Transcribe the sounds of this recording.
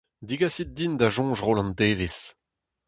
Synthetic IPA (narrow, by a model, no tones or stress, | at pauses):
d̪iɡasit̪̚d̪ind̪aʒɔ̃ːʒʁolɑ̃nt̪eːves